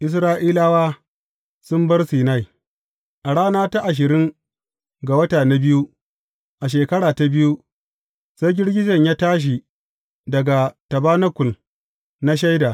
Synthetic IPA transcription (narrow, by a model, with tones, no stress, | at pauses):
ʔɪ˦s̬ɾaː˦ʔiː˦laː˦waː˦ | sʊ˦mbɐ˦rsiː˨na˦˨j | ʔa˨ɽaː˦naː˦ta˦ʔa˨ʃ̬ɪ˨ɾɪ˦ŋ | ɡa˨wɐ˦taː˨na˦bɪ˦ju˦ | ʔa˨ʃ̬eː˨kɐ˦ɽaː˨ta˦bɪ˦ju˦ | sa˦jɡʲɪ˦ɽɡʲɪ˦d͡ʒɐ˨ɲjaː˦taː˦ʃ̬i˨ | dɐ˨ɡa˨tɐ˨baː˦nɐ˦kʷʊ˨l | na˦ʃ̬a˦jdaː˨